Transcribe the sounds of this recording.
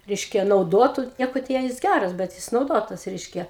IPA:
ˈrʲɛɪʃʲkʲɛ nɐʊˈdoːtʊ ˈnʲiɛkoː tʲɛn jɪs ˈɡʲærɐs bʲɛt ˈjɪs nɐʊˈdoːtɐs ˈrʲɛɪʃʲkʲɛ

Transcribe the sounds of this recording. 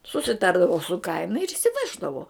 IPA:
sʊsʲɪˈtɐrdɐʋʊ sʊ ˈkɐɪnɐ ɪr ɪʃʲsʲɪˈʋʲæːʒdɐʋoː

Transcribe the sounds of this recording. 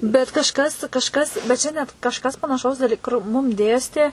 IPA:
bʲɛt kɐʃˈkɐs kɐʃˈkɐs bʲɛt ˈt͡ʃʲɛ nʲɛt kɐʃˈkɐs pɐnɐˈʃɐʊs dɐˈlʲiː kʊr ˈmʊm ˈdʲeːsʲtʲeː

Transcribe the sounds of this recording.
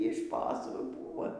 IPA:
iː ˈʃpoːsuː ˈbuːʋoː

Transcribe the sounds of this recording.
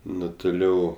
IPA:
ˈnʊ tʊˈlʲɛʊ

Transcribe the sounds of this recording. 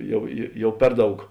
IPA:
ˈjɛʊ jeː ˈjɛʊ ˈpʲɛr ˌdɐʊk

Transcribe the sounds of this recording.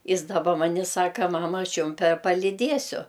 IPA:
ˈjɪs dɐˈbɐ ˈmɐnʲ ɪ ˈsɑːkɐ ˈmɑːmɐ ˈɐʃ ˈjʊm pʲɛ pɐlʲɪˈdʲiɛsʲʊ

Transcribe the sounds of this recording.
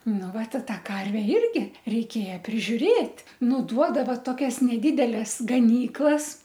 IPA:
ˈnʊ ˈʋɐt ɪ ˈtɑː ˈkɐrʲʋʲɛ ˈɪrʲɡʲɪ rʲɛɪˈkʲeːjɛ pʲrʲɪʒʲʊˈrʲeːtʲ ˈnʊ ˈduɔdɐʋɐ toːˈkʲɛs nʲɛˈdʲɪdʲɛlʲɛs ɡɐˈnʲiːklˠɐs

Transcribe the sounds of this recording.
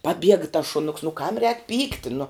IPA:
pɐˈbʲiɛɡɐ tɐs ʃʊˈnʊks nʊ kɐm rʲɛːk ˈpʲiːktʲɪ nʊ

